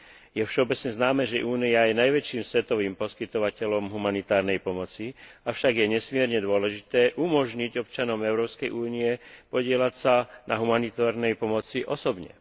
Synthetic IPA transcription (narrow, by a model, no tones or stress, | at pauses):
jɛfʃɛɔbɛt͡sɲɛznaːmɛːʒɛʔuːnijajɛnajʋɛt͡ʃiːmsʋɛt̪ɔʋiːmpɔskit̪ɔʋacɛlɔmɦumanit̪aːɾnɛjpɔmɔt͡siafʃaɡjɛɲɛsmɪɛɾɲɛd̪ʊɔlɛʒit̪ɛːʔumɔʒɲiɟɔpt͡ʃanɔmɛʊɾɔːpskɛjʔuːniɛpɔɟɪɛlacsanaɦumanit̪aːɾnɛjpɔmɔt͡siʔɔsɔbɲɛ̰